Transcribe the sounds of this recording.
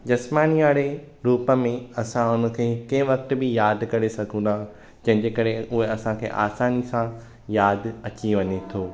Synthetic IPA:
d͡ʑɐsmaːniaːɽe | ɾuːpə̆mẽɐsãʊnə̆kʰeːkɐ̃ɦɪ̃ʋɐkt̪̆bɪjaːd̪kɐɾesɐɡʱũnd̪aːɦ | d͡ʑɐ̃ɦɪ̃ɲd͡ʑeːkɐɾeʊɦeɐsãkʰḛːʔa̰ːsaːnisã | jaːd̪ʱɐt͡ɕiʋɐɲet̪ʰoː

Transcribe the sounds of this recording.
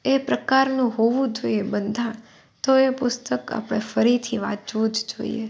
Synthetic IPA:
epɾəkaɾnũɦoʋũd͡ʒoiebənd̪ʱã | t̪oepʊst̪əka̰pɽ̃efəɾit̪ʰiʋã̰d͡ʒʋũd͡ʒd͡ʒo̰ḭḛ

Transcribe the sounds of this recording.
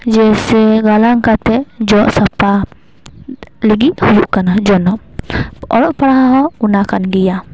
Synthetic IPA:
d͡ʒɛsɛɡalaŋkat̪ɛd͡ʒɔʔsapa | liɡiʔhujuʔkanad͡ʒɔnɔ | ɔ̰ɾɔʔpaɽaɦaɦɔunakanɡija

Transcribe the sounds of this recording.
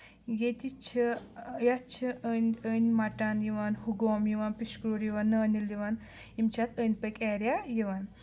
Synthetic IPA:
jet̪it͡ʃʰijat͡ʃʰiənʲəːnʲmɐʈaːnjiʋaːnhuɡoːmjiʋaːnpiʃkɾoːɾjiʋaːnːɐːniljiʋaːn | imt͡ʃʰat̪ʰəːnʲpəkʲɛːɾjajiʋaːn

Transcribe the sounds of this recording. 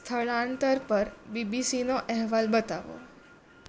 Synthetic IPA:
t̪ʰəɭãnt̪əɾpəɾbibisinoʔɛɦʋalbət̪aʋo̰

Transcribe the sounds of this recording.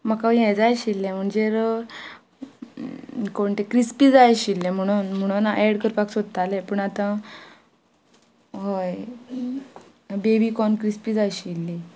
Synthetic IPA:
makaʋjɛ̃d͡zajɕilːɛ̃m̤əɳd͡zeɾ | koɳt̪ekɾispiːd͡zajɕilːɛ̃m̤əɽ̃unm̤əɽ̃unaʔɛɽkəɾpaksod̪ət̪alɛpəɳat̪ã | ɦoj | bebiːkɔnkɾispiːd͡zajɕilːi

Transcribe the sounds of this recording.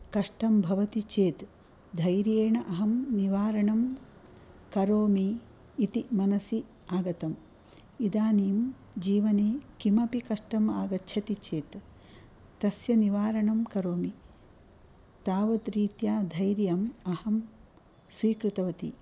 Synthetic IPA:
kɐʂʈɐmbʱɐʋɐt̪it͡ʃeːt̪ | d̪ʱɐjɾjeːɳɐʔɐɦɐmniʋaːɾɐɳɐm | kɐɾoːmiː | t̪imɐnɐsi | aːɡɐt̪ɐm | id̪aːniːm | d͡ʒiːʋɐneːkimɐpikɐʂʈɐmaːɡɐtːʃʰɐt̪it͡ʃeːt̪ː | ɐsjɐniʋaːɾɐɳɐmkɐɾoːmi | t̪aːʋɐt̪ɾiːt̪jaːd̪ʱɐjɾjɐmɐhɐm | sʋiːkɾut̪ɐʋɐt̪ḭ

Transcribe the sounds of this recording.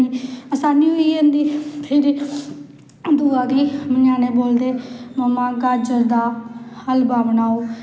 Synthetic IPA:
iːəsaːniːɦʊiɦẽnd̪iːpʰɪɾ | d̪uːaːɡiːməɲaːñẽːboːld̪eːməmãːɡaːd͡ʒəɾd̪aːhəlbaːʋənaːoː

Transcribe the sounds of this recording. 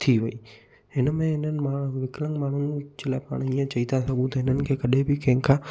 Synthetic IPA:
t̪ʰiʋɐiː | ɦɪnəmẽɦɪnənɪ̆maːʋɪklə̃ŋɡmaːɳ̤ʊnɪ̆d͡ʑelaːɪpa̰ːɽ̃iːə̃t͡ɕɐit̪asɐɡũt̪ɐɦɪnənɪ̆kʰeːkɐɗebɪkɐ̃ɦɪ̃ŋkʰãː

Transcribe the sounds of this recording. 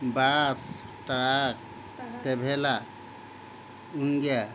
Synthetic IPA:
bas | ʈəɽak̚ | t̪ebʱela | uŋɡja

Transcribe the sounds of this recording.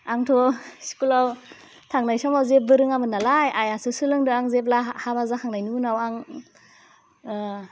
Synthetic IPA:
aŋtʰosi̥kulaw | tʰaŋnajsɔmawzep̚bɯɾɯŋamɯnalajajasɯsɯlɯŋdɯaŋzep̬̚lahabazakʰaŋnajnunawaŋ

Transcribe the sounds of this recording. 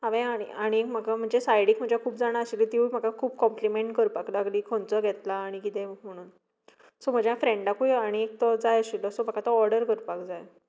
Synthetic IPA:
ɦaʋẽãḭaɽ̃iekm̤əɡam̤əɳd͡zesajɽikm̤əɳd͡ʑjakʰuːp̚d͡zaɽ̃aəɕilit̪ium̤əkakʰuːbkɔmplimeɳʈkəɾpaklaɡliːkʰont͡səɡʱɛt̪laːɽ̃ikit̪ẽm̤əɽ̃uːn | sɔm̤əd͡ʑjafɾeɳɖakuiaɽ̃iek̚t̪əd͡zajəɕiləsomakat̪əɔɾɖəɾkəɾpakd͡zaj

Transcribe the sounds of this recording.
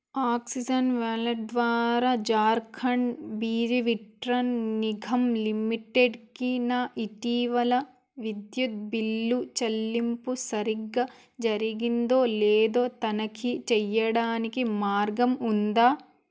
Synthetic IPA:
aːksid͡ʒɐnʋɛːlɐd̪ʋaːɾaːd͡ʒaːɾkʰɐɳɖbiːd͡ʒiʋiʈɾɐnniɡʱɐmlimiʈeɖkinaːʔiʈiːʋɐlɐ | ʋid̪jut̪̚bilːut͡ʃɐlːimpusɐɾiɡːɐ | d͡ʒɐɾiɡind̪o̞ːlɛːd̪o̞ːt̪ɐnɐkit͡ʃɛjːɐɽaːnikimaːɾɡɐmund̪aː

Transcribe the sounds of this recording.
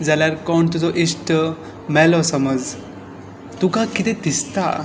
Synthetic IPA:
d͡zaljaɾkɔɳt̪ud͡zɔʔisʈə | mɛlɔsəməd͡z | t̪ukãkit̪ẽt̪ist̪a̰

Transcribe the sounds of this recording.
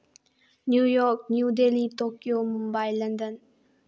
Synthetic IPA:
njujɔk̚njud̪elit̪okjomumbajland̪ən

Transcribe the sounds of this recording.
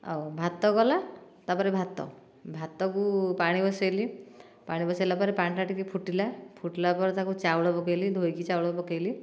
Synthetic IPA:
a̰wbʱat̪ːɔɡɔlat̪apɔɾebʱat̪ːɔ̰ | bʱat̪ːɔkupaɽ̃ibɔsajli | paɽ̃ibɔsajlapɔɾepaɳʈaʈikipʰuʈilapʰuʈilapɔɾɔt̪akut͡ʃawɽɔbɔkejlid̪ʱojkit͡ʃawɽɔbɔkejli

